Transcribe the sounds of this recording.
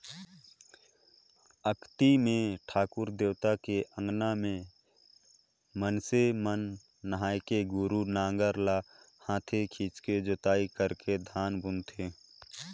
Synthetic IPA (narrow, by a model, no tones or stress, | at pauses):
əkt̪imẽʈʰaːkʊɾd̪eːwt̪akeʔə̃ŋɡnamẽ | mənsemənː | əɦaːjkeɡʊɾunãːŋɡəɾla | hãːt̪ʰekʰiːt͡ʃked͡ʒot̪aːikəɾked̪ʱaːnbʊnt̪ʰe